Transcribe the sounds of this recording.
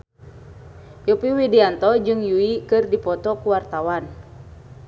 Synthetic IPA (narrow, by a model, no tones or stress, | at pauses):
jupiwidiant̪ɔd͡ʒɨŋjuikɨrdipɔt̪ɔkuwart̪awan